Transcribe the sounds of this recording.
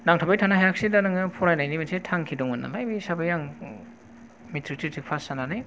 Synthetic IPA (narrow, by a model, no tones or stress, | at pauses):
naŋtʰabajtʰanaɦajak̚sidanɯŋɯpʰɔɾajnajnimansetʰaŋkʰidɔŋɯna̰lajbiisabajaŋ | mitʰɾitʰitʰik̚pʰasananaj